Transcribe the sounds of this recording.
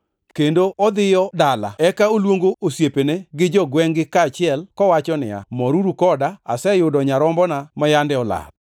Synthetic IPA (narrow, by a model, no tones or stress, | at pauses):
kendoʔɔd̪ɪjɔdala̰ɛkaolwoŋɡoʔosjepeneɡɪd͡ʒɔɡwɛŋɡɪkaːt͡ʃɪɛlkɔwat͡ʃɔnɪ̰a̰mɔɾuɾukɔdaasɛjʊdɔɲaɾɔmbɔnamajandɛɔla̰t̪̚